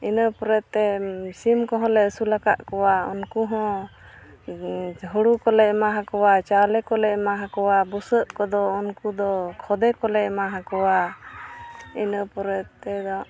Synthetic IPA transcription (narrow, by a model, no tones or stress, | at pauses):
inəpɔɾɛt̪̚ɛsimkɔɦɔ̃lɛəsulaka̰ʔkɔwaɔ̰nkuɦɔ̃ | ɦuɽukɔlɛʔmaɦãkɔwat͡ʃalɛkɔlɛʔmaɦãkɔwabusəʔkɔd̪ɔːnkud̪ɔkʰɔd̪ɛkɔlɛʔmaɦãkɔwa | inəpɔɾɛt̪t̪ɛd̪ɔ